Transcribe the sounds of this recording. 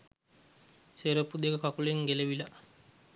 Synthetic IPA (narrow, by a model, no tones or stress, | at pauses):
seɾəpud̪ekəkakuleŋɡeleʋila